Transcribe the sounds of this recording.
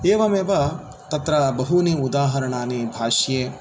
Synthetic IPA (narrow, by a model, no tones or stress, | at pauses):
eːʋɐmeːʋɐ | t̪ɐt̪ɾɐbɐɦuniud̪aːɦɐɾɐɳaːnibʱaːʂjeː